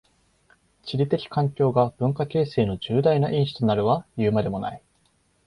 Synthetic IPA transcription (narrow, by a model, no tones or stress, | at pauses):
t͡ɕiɾʲit̪e̞kʲi̥kʰãŋkʲo̞ːɡab̥ɯ̟̃ŋkakʲe̞ːse̞ːno̞d͡ʑɨːd̪ainaʔĩɰ̃ɕi̥t̪o̞naɾɯ̟βajɯ̟ːmad̪e̞mo̞na̰i